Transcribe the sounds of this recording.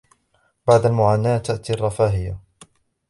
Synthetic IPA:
b̥aʕd̪almʊʕaːnaːt̪ːaʔt̪irˤːɑfaːɦɪja

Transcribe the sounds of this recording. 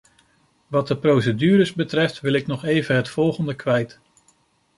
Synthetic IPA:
ʋɑt̚əprows̬ədyːɾəzbətrɛftʋɪlˠɪknɔχejvənɦətfɔlˠχəndəkʋɛjt

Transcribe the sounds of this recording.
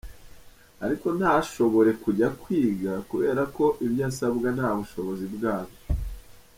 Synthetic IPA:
aɾiko̞n̥haʃo̞βo̞ɾe̞kuɟakwiːɡakuβe̞ːɾako̞ʔibjaːsabɡanhaːβuʃo̞βo̞zibɡaːβo

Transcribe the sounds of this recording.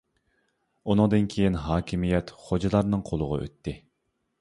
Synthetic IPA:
unɨŋd̪ɨnkʲʰejinɦɑːkʲʰimijɛt̪χod͡ʒɨlˠɑɾnɨŋqʰolˠʊʁɑ̰ʔø̰t̪ʰːɪ

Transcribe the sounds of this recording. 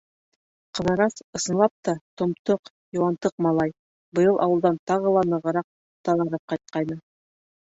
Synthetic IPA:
qɤ̆ðɤ̆ɾɑsɤ̆sɤ̆nlˠɑp̚t̪ɑt̪ŏmt̪oq | juwɑnt̪ɤq̚mɑlˠɑj | bɤ̆jɤlˠʔɑ̰wɤ̆lˠd̪ɑnt̪ɑʁɤ̆lˠɑnɤ̆ʁɤ̆ɾɑq̚ | t̪ɑlˠɑɾɤp̚qɑjt̪̚qɑjnɤ

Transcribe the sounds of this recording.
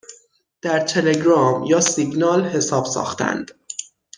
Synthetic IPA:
d̪̥æɾt̪ʰe̞le̞ɡɾɒːmjɒːsiɡnɒːlhe̞sɒːb̥sɒ̰ːxt̪ʰæ̰nd̪̥

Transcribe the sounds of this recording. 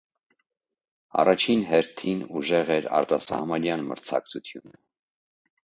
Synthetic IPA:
ɑ̰rɑt͡ʃʰinɦɛɾt̪ʰinuʒɛʁɛɾɑ̰ɾt̪ɑsɑ̰hmɑnjɑnmə̰ɾt͡sʰɑ̰k̚t͡sʰut̪ʰjunə

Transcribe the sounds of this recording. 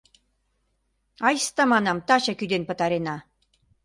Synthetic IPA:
ɑjst̪ɑmɑnɑmt̪ɑɕɑkyd̪enpə̆t̪ɑɾenɑ

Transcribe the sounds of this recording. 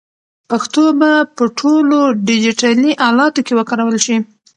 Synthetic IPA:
paxt̪obapəʈʰoloɖɪd͡ʒiʈaliʔɑlɑt̪okewəkɑɾawəlʃi

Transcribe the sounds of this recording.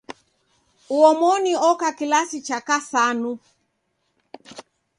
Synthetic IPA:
uɔmɔniɔkakilasit͡ʃakasanu

